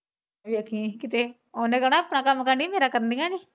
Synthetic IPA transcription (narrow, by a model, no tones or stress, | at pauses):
jakikit̪e | ondakanapənakamakandimeɾakərndiŋani